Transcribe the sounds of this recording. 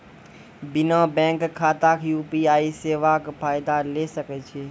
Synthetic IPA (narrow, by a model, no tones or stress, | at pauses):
bɪnãbɛ̃ːŋkʰːaːt̪akʰjuːpiaːiseːʋakpʰaːɪd̪alesəkɛt͡ʃʰeː